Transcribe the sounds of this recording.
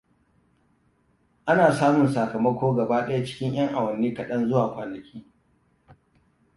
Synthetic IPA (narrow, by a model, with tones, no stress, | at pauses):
ʔa˦naː˨saː˦mʊ˨nsɐ˨kɐ˨mɐ˦kʷoː˦ɡɐ˨baː˦ɗɐ˦ja˦t͡ʃɪ̥˦kʲɪ˦ɲj̰ɐ˦ŋʔa˨wɐ˨nːiː˦kɐ˨ɗɐ˦nzʊ˦waː˨kʷaː˨lɐ˨kʲiː˦